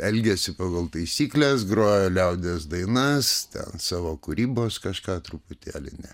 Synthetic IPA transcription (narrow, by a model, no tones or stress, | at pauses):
ɛlʲɡʲɛsʲɪpɑːɡɐlˠt̪ɐɪsʲiːklʲɛsɡɾoːjoːlʲɛʊd̪ʲɛsd̪ɐɪnɐst̪ʲɛ̰nsɑːʋoːkʊɾʲiːboːskɐʃkɑːt̪ɾʊpʊt̪ʲæːlʲɪ̰nʲɛ̰